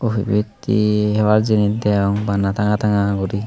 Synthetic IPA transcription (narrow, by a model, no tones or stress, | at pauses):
obibit̪ḭɦɛwaɾd͡ʒinint̪ɛɔŋbanat̪ʰaŋat̪aŋaɡuɾi